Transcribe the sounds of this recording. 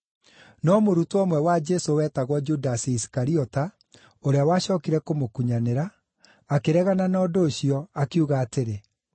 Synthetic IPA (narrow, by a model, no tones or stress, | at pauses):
nɔmoɾutoɔmwɛwad͡ʒesowɛːtaɣwɔd͡ʒudasiisi̥kaɾiɔta | oɾeawaːɕɔːkiɾɛkomokuɲaneɾaː | keɾɛɣananɔːdoːɕiɔakeuɣaːteɾe